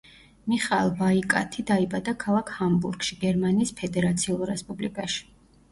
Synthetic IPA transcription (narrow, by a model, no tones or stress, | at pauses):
miχaɛlˠbaikʼa̰t̪ʰid̪aibad̪akʰalˠakʰhambṵɾɡʃiɡɛɾmaniːspʰɛd̪ɛɾat̪sʰiulˠɾɛspʼublḭkʼaʃi̥